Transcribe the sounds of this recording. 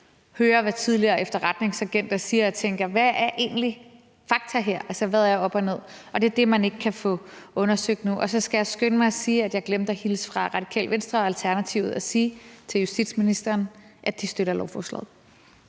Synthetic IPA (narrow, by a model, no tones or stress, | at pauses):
høːɐʋæt͡sʰið̞ˠliɐːefd̥ɐʁad̥ne̝ŋsæɡ̥en̰d̥æsiːɐɒ̽t͡sʰeŋɡ̥ɐʋææɐʔe̝̰ːn̩li | fɑ̈ɡ̥̚t͡sʰɐɦe̝ɐ̰ʔælsɐʋæðˠæjɒ̽b̥ɒne̝ð̞̰ˠʔɒ̽d̥e̝ɐd̥e̝mæne̝ɡ̥əkʰæfɔ̽ɔ̽nɐsøɡ̥̚d̥nuʔɒ̽sɒ̽sɡ̥æjɑ̈ɪsɡ̥ønəmɑ̈ɪsiːæd̥jɑ̈ɪɡ̥lemd̥æhiləsfʁɑ̈ʁɑ̈d̥ikʰɛ̰ːlʋensd̥ʁɐɒælt͡sʰæɐnæt͡sʰiʊð̩ˠɒsiːt͡sʰe̝ljusd̥id̥sminisd̥ɐːnʔæ̥d̥isd̥øɾɐlɒʊfɒ̰ːslɛ̰ð̩̰ˠ